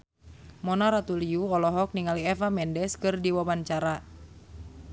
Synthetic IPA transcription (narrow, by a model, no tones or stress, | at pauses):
mɔnaɾat̪uliuɔlɔɦɔk̚niŋaliɛfamɛndɛskɨrdiwabant͡ʃaɾa